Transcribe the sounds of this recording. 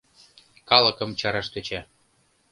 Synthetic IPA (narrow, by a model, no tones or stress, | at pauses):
kɑlɤ̆kɤ̆mt͡ɕɑɾɑʃt̪øt͡ɕæ